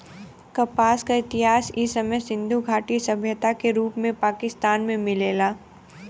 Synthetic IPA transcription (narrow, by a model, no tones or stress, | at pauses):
kɐpaːskaɪt̪ɪɦaːsisɐməjsɪ̃nd̪ʱuɡʱaːʈisɐbʱjət̪akeɾuːpmẽpaːkɪst̪aːnmẽmɪleːlaː